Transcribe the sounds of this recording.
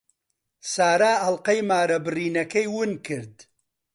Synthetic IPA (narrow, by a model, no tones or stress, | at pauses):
saːɾaːɐlˠqɐjmaːɾɐbɨriːnɐkɐjwʊnkʰɨɾd̪